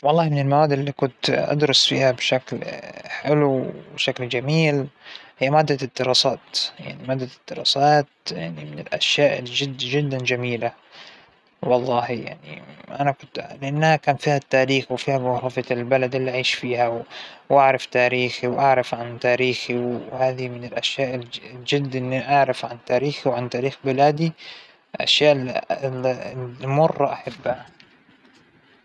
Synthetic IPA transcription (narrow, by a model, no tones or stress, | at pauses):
wɑlˤːɑːhmɪnɪlmawaːd̪ʔɪlːikʊnt̪ʔa̰d̪ɾˤʊsfiːhabʃaklħɪluwbʃakld͡ʒamiːlhɪjːamaːd̪ːad̪ːɪɾˤɑːsaːt̪ja̰ʕnimaːd̪ːad̪̥ːɪɾˤɑːsaːt̪̚ja̰ʕnimɪnɪlʔa̰ʃjaːʔd͡ʒɪd̪ːd͡ʒɪd̪ːand͡ʒamiːla | wɑlˤːɑːhja̰ʕnḭʔanakʊnt̪lɪʔanːhakaːnfiːhat̪ːaːɾiːxwfiːhablɑfɑɪlbalad̪ɪlːiʔaʕiːʃfiːhawwʔaʕɾˤɑft̪aːɾiːxiwʔaʕɾˤɑfʕant̪aːɾiːxiwhaːðimɪnɪlʔaʃjaːʔd͡ʒɪd̪ːʔɪnːiʔaʕɾɑfʕant̪aːɾiːxiwʕant̪aːɾiːxbɪlaːd̪i | lʔa̰ʃjaːʔ | mʊrˤːɑʔaħabːha